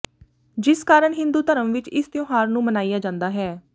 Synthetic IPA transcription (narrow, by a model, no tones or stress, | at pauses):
d͡ʒɪskaːɾəɳɦɪ̃nd̪uːt̪əɾəmʋɪt͡ʃɪst̪jõːɦaːɾnũːmənaːijaːd͡ʒãːnd̪aːɦɛː